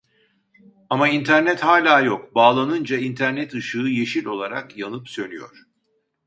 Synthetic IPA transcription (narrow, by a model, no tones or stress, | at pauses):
amaint̪ʰæɾnɛt̪haːlʲaːjokbaːlˠanɯnd͡ʒaint̪ʰæɾnɛt̪ɯʃɯːje̞ʃilʲo̞lˠaɾa̰kjanɯpsø̞nyjo̰ɾ̥